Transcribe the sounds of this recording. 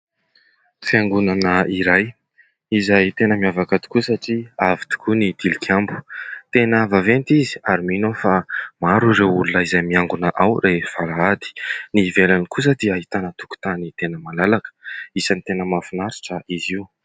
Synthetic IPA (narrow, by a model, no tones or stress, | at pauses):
fiaŋɡunanəiɾaj | izajt̪enəmiavakad̪u̥kusaʈ͡ʂiavit̪u̥kunid̪̥ilikʰambu̥t̪enavavent̪izi̥aɾiminofamaɾuɾeulunaizajmiaŋɡunaʔawɾev̥aɾaad̪i̥nivelanikus̬əd̪iaɦit̪anət̪u̥ku̥t̪anit̪enəmalalakə̥isanit̪enəmafinaɾi̥ʈ͡ʂəʔiziw